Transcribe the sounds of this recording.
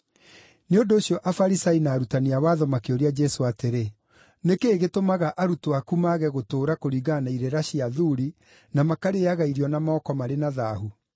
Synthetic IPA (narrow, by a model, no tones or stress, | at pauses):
neondoːɕiɔʔafaɾisainaːɾutaniawaːðɔmakeoɾiad͡ʒɛsoateɾe | nekeːɣetomaɣaʔaɾutoakumaɣɛɣotoːɾakoɾiːɣanaiɾeɾaɕiaðuːɾi | namakaɾeaɣaiɾiɔnamaɔkɔmaɾenaðahu